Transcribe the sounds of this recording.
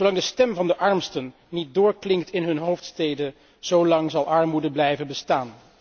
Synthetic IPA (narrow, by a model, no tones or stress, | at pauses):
owlɑŋdəstɛmvɑndəʔɑɹmstənːit̚dʊːɹklɪŋktɪnɦɵnɦowftstejdə | z̥owlɑŋzɑlˠɑɹmudəblɛjvənbəstaːn